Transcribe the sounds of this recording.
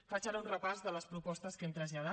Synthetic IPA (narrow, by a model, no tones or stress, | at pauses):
fat͡ʃaɾunrəpazðələspɾupɔst̪əskemt̪ɾəzʎað̞a